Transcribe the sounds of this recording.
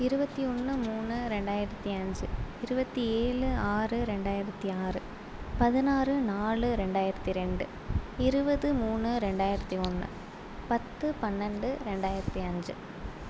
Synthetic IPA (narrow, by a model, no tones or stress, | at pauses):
ɪɾɯbɐt̪ːiɔnːɯmuːnːɯɾɛɳɖaːjɪɾɐt̪ːiɐɲd͡ʒɯɪɾɯbɐt̪ːieːɭɯaːrɯɾɛɳɖaːjɪɾɐt̪ːiaːrɯ | pɐðɪnaːrɯnaːɭɯɾɛɳɖaːjɪɾɐt̪ːiɾɛɳɖɯ | ɪɾɯbɐðɯmuːnːɯɾɛɳɖaːjɪɾɐt̪ːiɔnːɯ̰ | pɐt̪ːɯpɐnːɐɳɖɯɾɛɳɖaːjɪɾɐt̪ːiɐɲd͡ʒɯ̰